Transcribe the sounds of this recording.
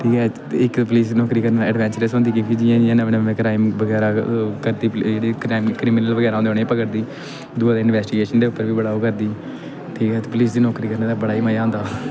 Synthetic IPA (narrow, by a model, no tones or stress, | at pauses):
ʈ̪ʰiːkɛː | ɪkpəliːsnɔːkɾiːkəɾneːd̪ɛːɖʋɛ̃ːnt͡ʃəɾəsõːnd̪iːkɪkʰiːd͡ʒiãːd͡ʒɪjãːnəʋenəʋẽːkɾaːɪmʋəɡɛːɾaːkəɾd̪iːpeːɽiːkɾaːɪmkɾiːmːnəlʋəɡɛːɾaːõːd̪eoːneːpəkəɾd̪iː | d̪ʊaːd̪eːɪnʋɛːsʈɪɡeːʃənd̪eːʊpːəɾʋiːbəɽaːoːkəɾd̪iː | t̪ʰiːkɛːt̪ːpəliːsd̪iːnɔːkɾiːkəɾneːd̪aːbəɽaːiːməjaːõːnd̪aː